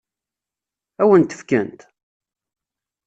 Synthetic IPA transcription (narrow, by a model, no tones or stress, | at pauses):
æwənt̪ə̥fkənt̪